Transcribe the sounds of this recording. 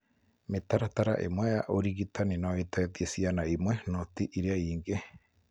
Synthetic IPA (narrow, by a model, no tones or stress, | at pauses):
met̪aɾat̪aɾa̰ʔḛmweaʔoɾiɡit̪aninoit̪at̪iesianaimwenot̪iʔiɾiaiːŋɡe